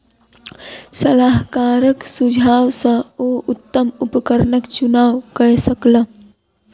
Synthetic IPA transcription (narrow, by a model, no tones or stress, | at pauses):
səlaːɦkaːɾəksʊd͡ʒʱaːwsə̃oːʊt̪ːəmʊpkəɾnəkt͡ʃʊnaːwkəɦsəklə